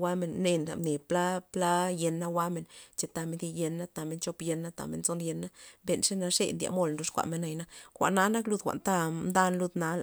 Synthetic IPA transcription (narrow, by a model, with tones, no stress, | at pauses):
wa˦me˧nːe˧na̰˨mne˨pla˦pla˦je˧nːa˦wa˦me˧nt͡ʃe˧t̪a˧me˧ndi˧je˧nːa˦t̪a˧me˧nt͡ʃo˧pje˧nːa˦t̪a̰˧mḛ˧˨nt͡so˦nje˧nːa˦be˧nʂe˦na˧ʂḛ˧nd̪ja̰˧mo˧lnd̪o˧˦ʂkʷa̰˨me˧nːa˧jna˧xʷa̰˨ʔna˦na˦klu˧d̪xʷa̰˨ʔnt̪a˦md̪a˦nlu˦d̪na˧l